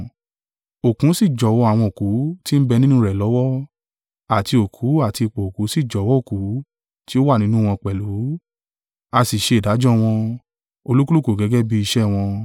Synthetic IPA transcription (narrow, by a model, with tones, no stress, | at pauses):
o˨kũ˨˦si˦˨d͡ʒɔ˨wɔ˧˦a˦˨w̃ɔ̃˧o˨ku˨˦ti˦m̩˦bɛ˧nĩ˦nũ˦ɾɛ˨lɔ˨˦wɔ˦ | a˨ti˧o˨kʰu˨˦a˦˨ti˧˨k͡pɔ˨o˨ku˨˦si˦˨d͡ʒɔ˨˦wɔ˦o˦˨ku˨˦ | ti˦o˦wa˦˨nĩ˦nũ˦w̃ɔ̃˧k͡pɛ˨lu˨˦ | a˧si˨ʃe˧i˨da˨˦d͡ʒɔ˦w̃ɔ̃˧ | o˧lu˦ku˦lu˦˨ko˨ɡɛ˨˦ɡɛ˦bi˦i˧ʃɛ˦˨w̃ɔ̃˧